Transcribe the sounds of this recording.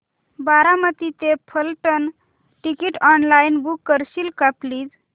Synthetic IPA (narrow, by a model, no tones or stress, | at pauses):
baɾamət̪it̪epʰəlʈən | ʈikiʈɔnlajnbukːəɾɕilkapliːd͡z